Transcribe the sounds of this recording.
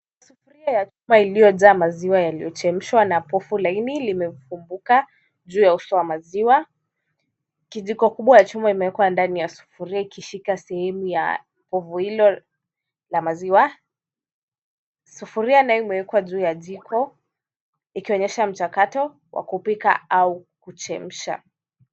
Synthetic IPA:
sufuɾiajat͡ʃumailijɔzaːmaziwajalijɔt͡ʃɛm̩ʃwanapɔfulainilimɛfumbuka | ʄuːjausɔwamaziwa | kiʄikɔkuɓwajat͡ʃumaimɛwɛkwandanijasu̥fuɾiaikiʃikasɛhɛmuja̰ | pɔvuhilɔ | lamaziwa | sufuɾianaɔimɛwɛkwaʄuːjaʄikʰɔ | ikiɔɲɛʃam̩t͡ʃakatɔ | wʔa̰kupika̰aukut͡ʃɛm̩ʃa̰

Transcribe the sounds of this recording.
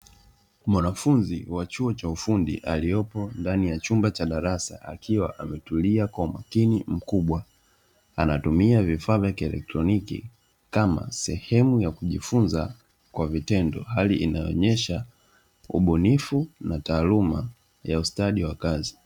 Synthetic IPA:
mwanafunziwat͡ʃuɔt͡ʃaufundḭʔa̰liɔpɔndanijat͡ʃumbat͡ʃaɗaɾasa̰ʔa̰kʰiwa̰ʔamɛtuliakwaumakinim̩kuɓwa | anatumiavifaːvjakiɛlɛ̰k̚tɾɔnikḭ | kama̰sɛhɛmujakuʄifunza | kwavitɛndɔ̰haliʔinajɔɔ̰ɲɛʃa | ṵɓɔnifunataːluma | jaustaɗiwakazi

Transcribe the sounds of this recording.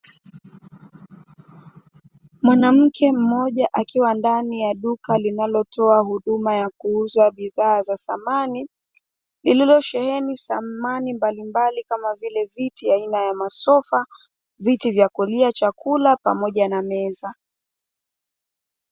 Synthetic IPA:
mwanam̩kʰɛm̩mɔʄaʔakiwandanijaɗukalinalɔtʰɔahuɗumajakuuzaɓiðaːzasamani | lililɔʃɛhɛnisamanimbalimbalikamavilɛvitiainajamasɔfa | vitivjakuliat͡ʃakulapa̰mɔʄanamɛza

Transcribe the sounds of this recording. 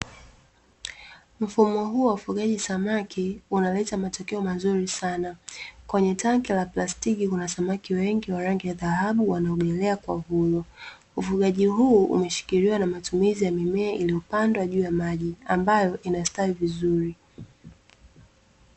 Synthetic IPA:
m̩fumɔɦuːwaufuɠaʄisamakʰiunalɛtamatɔkɛɔmazuɾisanakwɛɲɛtaŋkilaplastikikunasamakiwɛŋɡiwaɾaŋɡijaðahaɓuwanaɔɡɛlɛakwa̰vulɔ | ufuɠaʄiɦuːṵmɛʃi̥kiɾiwanamatumizijamimɛaʔiliupandwaʄuːjamaʄiambajɔʔinastaivizuɾi

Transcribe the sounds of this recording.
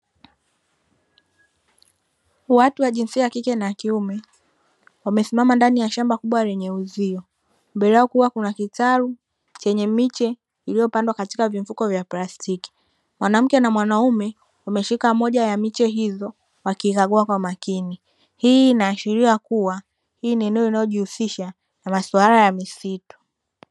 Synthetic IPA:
watuwaʄinsiakikɛnakiumɛ | wamɛsimamandanijaʃambakuɓwaɾɛɲɛuziɔ | mbɛɾɛɔkuwakunakitaɾu | t͡ʃɛɲɛmit͡ʃɛ | ilijɔpandwakatikaviɱ̩fukɔvjaplastiki̥ | mwanam̩kɛnamwanaumɛ | wamɛʃikamɔʄajamit͡ʃɛɦizɔ | wakiːkaɠuakwamakini | hiːnaːʃiɾiakuwa | hiːniɛnɛɔinajɔʄihusiʃa | namaswaɾajamisitu̥

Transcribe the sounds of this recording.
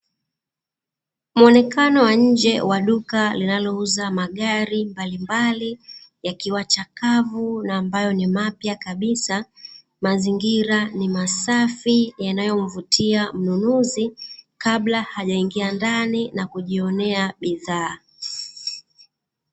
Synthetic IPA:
muɔnɛkanɔwaɲ̩d͡ʒɛwaɗukalinalɔuzamaɠaɾimbalimbalijakiwat͡ʃakavunaːmbajɔnimapjakaɓisa | maziŋɡiɾanimasafijanajɔm̩vutʰiam̩nunuzikaɓlahaʄaiŋɡiandaninakuʄiɔnɛaɓiðaː

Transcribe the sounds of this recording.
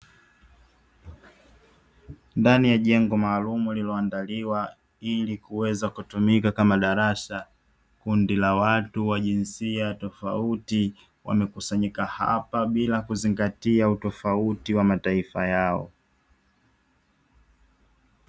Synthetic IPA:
ndanijaʄɛŋɡɔmaːlumulilɔandaliwa | ilikuwɛzakutumikakamaɗaɾaʃa | kundilawatuwaʄinsiatɔfauti | wa̰mɛkusaɲikaha̰paɓilakuziŋɡatiautɔfautiwamataifajaɔ̰

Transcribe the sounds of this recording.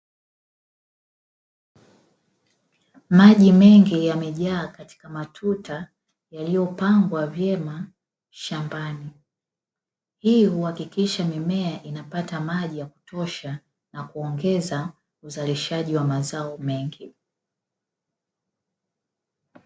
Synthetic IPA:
maʄimɛŋɡijamɛʄaːkati̥kamatʰuta | jalijɔpaŋɡwavjɛma | ʃambani | hihuhakikiʃamimɛaʔinapatamaʄijaku̥tʰɔʃa | nakuɔŋɡɛza | uzaliʃaʄiwamazaɔmɛŋɡi

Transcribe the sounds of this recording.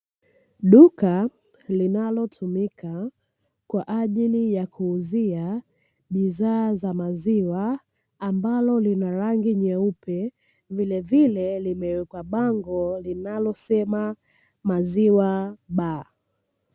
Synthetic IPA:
ɗuka | linalɔtʰumika | kwaʔaʄilijakʰuːzia | ɓiðaːzamaziwaː | mbalɔlinaɾaŋɡiɲɛupɛ | vilɛvilɛlimɛwɛkwaɓaŋɡɔlinalɔsɛma | maziwaɓa

